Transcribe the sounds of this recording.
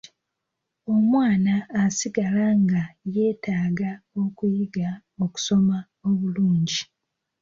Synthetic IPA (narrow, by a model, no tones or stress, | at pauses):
o̞mwaːnaːsiɡalaŋɡaje̞ːtaːɡao̞kujiɡa | o̞ku̥so̞ma | oβuluːɲɟi